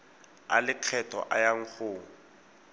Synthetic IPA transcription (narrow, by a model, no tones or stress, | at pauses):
a̰lɪq͡χʰɛtʼɔ̰ʔa̰jaŋ̩k͡xʰʊːŋ̩